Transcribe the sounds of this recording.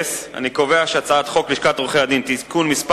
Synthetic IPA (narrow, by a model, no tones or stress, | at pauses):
sa̰niko̞veaʃeat͡saat̪χo̞kliʃkat̪ʁuχead̪int̪ikunmisp